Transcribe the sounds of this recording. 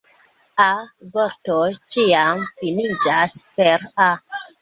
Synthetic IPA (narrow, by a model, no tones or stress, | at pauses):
avoɾtojt͡ʃiamfinid͡ʒaspeɾa